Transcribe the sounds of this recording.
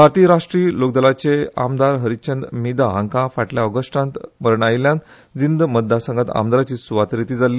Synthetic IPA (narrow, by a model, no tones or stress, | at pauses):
bʱaɾt̪iɾaʂʈɾiːlok̚d̪əlat͡ɕea̰md̪aɾɦəɾit͡ɕənd̪mid̪aãŋkãfaʈljaɔɡəʂʈãnt̪məɾɳajljãn | d͡zind̪mət̪̚d̪aɾsə̃ŋɡət̪a̰md̪aɾat͡ɕiːsuʋat̪ɾit̪iːd͡zali